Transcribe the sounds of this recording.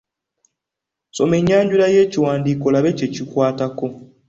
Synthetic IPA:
so̞me̞ɲːaːɲɟulaje̞ːciwaːndiːko̞laβe̞ce̞cikwaːtako̞

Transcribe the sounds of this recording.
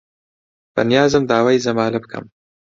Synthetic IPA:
b̥ɐ̰nijaːzɨmd̪aːwaːjzɐmaːlɐbɨkʰɐ̰m

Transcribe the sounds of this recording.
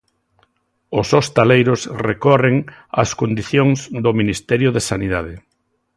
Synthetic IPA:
ʊsost̪alejɾʊsrekɔreŋa̰skond̪iθjoŋzd̪ʊminist̪ɛɾjʊðesaniðaðɪ

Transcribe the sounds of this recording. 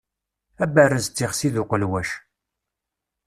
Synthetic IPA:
æbærəzt͡s̪ːiχsiðʊqəlwæʃ

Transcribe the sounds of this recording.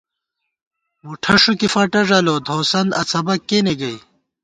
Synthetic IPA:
muʈʰɐʂukifɐʈɐʐɐlod̪ʱoːsɐnd̪ɐt͡sʰɐbɐkːeneɡɐj

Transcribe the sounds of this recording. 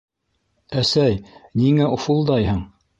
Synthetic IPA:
æsæjniŋæofulˠd̪ɑjhɤɴ

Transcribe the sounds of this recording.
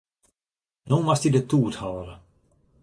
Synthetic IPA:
numast̪id̪ət̪uːt̪hɑːɾə

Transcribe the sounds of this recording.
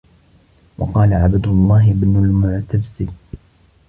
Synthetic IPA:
wɑ̰qɑːlaʕabad̪ʊlˤːɑːɦɪbnʊlmʊʕt̪azːɪl

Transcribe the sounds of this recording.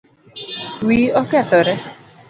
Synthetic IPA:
wiːɔkɛat̪ɔɾɛ

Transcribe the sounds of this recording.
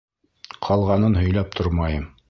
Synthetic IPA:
qʰɑlˠʁɑnɤnɦɵ̆jlæp̚t̪ʰoɾmɑjɤm

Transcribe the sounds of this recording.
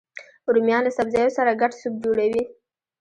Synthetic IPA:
uɾumjɑnlasabzɑjosaɾaɡaʈsub̚d͡ʒoɽawi

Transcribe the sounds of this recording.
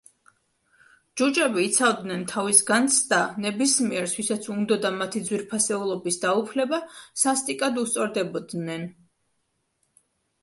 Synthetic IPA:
d͡ʒud͡ʒɛbiːt̪sʰavd̪nɛnt̪ʰavisɡant̪sʰd̪anɛbismiɛɾswisat̪sʰund̪ɔd̪amat̪ʰid̪zwiɾpʰasɛulˠɔbisd̪aupʰlɛbasast̪ʼikʼad̪ust̪sʼɔɾd̪ɛbɔd̪nɛn

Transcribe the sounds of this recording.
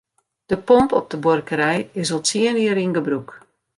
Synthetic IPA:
d̥əpɔmpɔp̚dəborkəɾɛjɪsɔlˠtiəniəɾinɡəbruk

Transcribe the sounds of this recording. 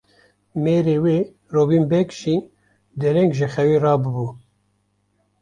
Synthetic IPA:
meːɾeːweː | roːbiːmbɛkʃi | d̪ɛɾɛŋkʒɛxɛwiːrɑːbɨbuː

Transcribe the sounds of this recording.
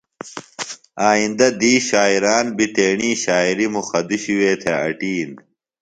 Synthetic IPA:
aːind̪ɐd̪iːɕaːiɾaːnbit̪eːɳiːɕaːiɾimuxɐd̪iɕiweːt̪ʰeɐ̰ʈiːn

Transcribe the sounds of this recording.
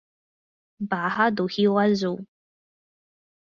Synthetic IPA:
bahad̪uhiwazu

